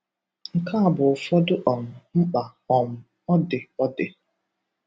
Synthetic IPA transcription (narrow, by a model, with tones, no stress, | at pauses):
ŋ̩˨kʰa˦a˨bʊ˨fɔ˦dʊ˦ʔɔ˨m̩˨ŋ͡m̩˦k͡pa˨ɔ˨m̩˨ | ɔ˦dɪ˨ɔ˦dɪ˨